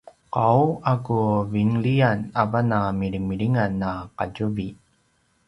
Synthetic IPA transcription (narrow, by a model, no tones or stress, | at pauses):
qawakuviŋlianavanamiɾimiɾiŋanːaqaɟuvi